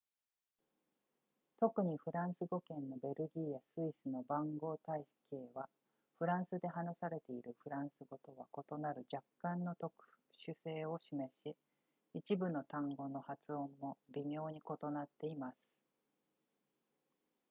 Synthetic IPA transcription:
t̪o̞kɯ̟ɲ̟iɸɯ̟ɾãɰ̃sɨɡo̞kẽ̞nːo̞be̞ɾɯ̟ɡʲijasɨisɨno̞bãŋɡo̞ːt̪aike̞ːβa | ɸɯ̟ɾãɰ̃sɨd̪e̞ɦanasaɾe̞t̪e̞iɾɯ̟ɸɯ̟ɾãɰ̃sɨɡo̞t̪o̞βako̞t̪o̞naɾɯ̟d͡ʑakːãnːot̪o̞kɯ̟̥ | ɕɨse̞ːo̞ɕime̞ɕi | it͡ɕibɯ̟no̞t̪ãŋɡo̞no̞hat͡sɨõ̞mːo̞bʲimʲo̞ːɲ̟iko̞t̪o̞nat̪ːe̞imasɨ̥

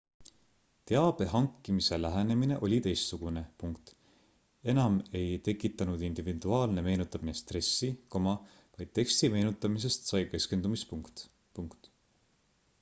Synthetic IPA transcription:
t̪e̞ɑb̥e̞ɦɑŋkˑːimise̞læɦenemine̞ʔo̞lʲit̪e̞jst̪suɡ̥une̞puŋkt̪ˑ | e̞nɑme̞jt̪e̞kːˑit̪ːˑɑnud̪̥ind̪̥ivid̪̥uɑːlne̞me̞ːnut̪ːˑɑmine̞st̪re̞sːiko̞mɑ | vɑjd̪̥̚t̪ːe̞kst̪ime̞ːnut̪ːˑɑmis̬e̞st̪sɑjke̞ske̞nd̪̥umispukt̪ | puŋkt̪

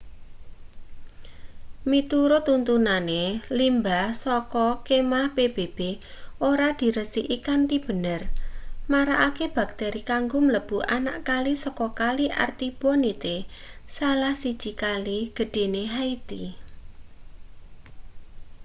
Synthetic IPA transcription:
mit̪uɾot̪unt̪unanelimbasɔkɔkemahb̥eb̥eb̥e | ʔoɾad̪̥i̤ɾəsiʔikant̪ib̥ə̤nərmaɾaʔakeb̥a̤k̚t̪eɾikaŋɡʊmləb̥uʔana̰ʔkalisɔkɔkaliʔa̰rt̪ib̥ɔnit̪esalahsid̥ʒ̥i̤kaliɡ̥ə̤ɖ̥e̤neɦait̪i

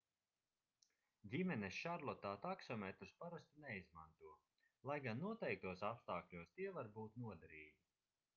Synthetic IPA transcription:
d̪ʲimɛnesʃaɾlˠɔt̪aːt̪aksɔmɛt̪ɾuspaɾast̪unɛizmant̪uɔ | lˠajɡanːuɔt̪ɛjk̚t̪uɔsapst̪aːklʲuɔst̪iɛvaɾbuːt̪nuɔd̪aɾiːɡʲi

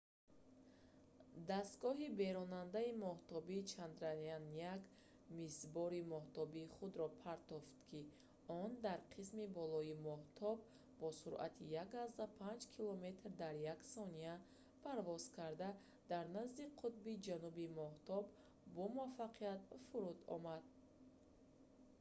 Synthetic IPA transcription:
d̪ast̪̚ɡɔɦibe̞ɾɔnand̪aimɔht̪ɔbiːt͡ʃʰand̪ɾanianiak | misbɔɾimɔht̪ɔbiːχud̪ɾɔpʰaɾt̪ɔft̪kʰi | ɔnd̪aɾqʰismibɔlɔimɔht̪ʰɔb | bɔsuɾʔa̰t̪ʰijakazd̪apʰand͡ʒkʰilɔme̞t̪ɾd̪aɾjaksɔnia | pʰaɾvɔz̥kʰaɾd̪a | d̪aɾnazd̪iqʰut̪̚bid͡ʒanubimɔht̪ʰɔb | bɔmuafaqʰiat̪fuɾud̪ɔ̰mad̪̚

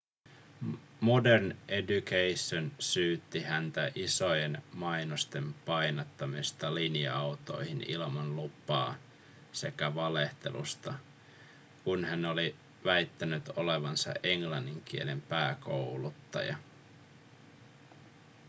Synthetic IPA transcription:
modernʔedukejsːonsyːt̪ːihænt̪æʔiso̞jenmɑjnost̪e̞mpɑjnɑt̪ːɑmist̪ɑlinjɑ̰ɑwt̪o̞̰jhinḭlmɑnlupːˑɑ̰ː | se̞̰kæʋɑle̞ht̪e̞̰lṵst̪ɑ | kunhæno̞li | ʋæjt̪ːænyt̪o̞le̞ʋɑnsɑ̰ʔe̞ŋlɑnːiŋk̟ie̞le̞mpæːko̞wlut̪ːɑ̰jɑ̰

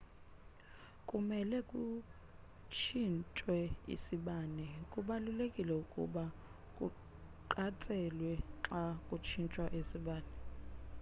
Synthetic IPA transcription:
kʼumɛlɛkʼu | t͡ʃʰint͡ʃʼwɛḭsiɓaːnɛkʼuɓalulekʼilɛukʼṵɓa | kʼu | ǃatʼɛlwɛǁakʼut͡ʃʰint͡ʃʼwaʔesiɓaːnɛ

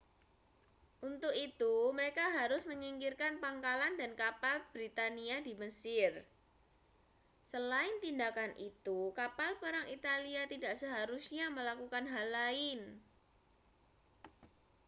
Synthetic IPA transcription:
ʔunt̪ʊkit̪uməɾekaɦaɾʊsməɲiŋkirkanpaŋkalandankapalb̥ɾit̪aniadiməsɪr | səlaɪnt̪indakanʔit̪ukapalpəɾaŋit̪aliat̪idaʔsəɦaɾusɲaməlakukanɦalaɪn

